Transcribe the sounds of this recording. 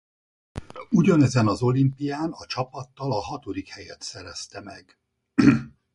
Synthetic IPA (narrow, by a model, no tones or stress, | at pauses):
uɟɒnɛzɛnɒzo̞limpijaːnɒt͡ʃɒpɒt̪ːɒlɒɦɒt̪o̞d̪ikhɛjɛt̪sɛɾɛst̪ɛmɛɡ̥